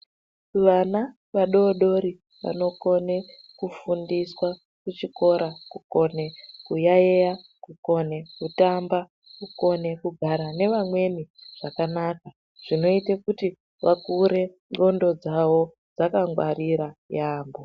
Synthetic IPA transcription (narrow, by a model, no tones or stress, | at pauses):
ʋana | ʋaɗo̞ːɗo̞ɾi | ʋa̰no̞ko̞ne | kufundiswa | kut͡ʃiko̞ɾakuko̞ne̞kujajeja | kuko̞nekutamba | kuko̞ne̞kuɡʱaɾane̞ʋamwe̞niʐ̥akanaːka | ʐ̥ino̞itekuti | ʋakuɾe̞ | ŋɡo̞ndo̞d͡zawo̞ | d͡zakaŋɡwa̰ɾiɾajaːmbo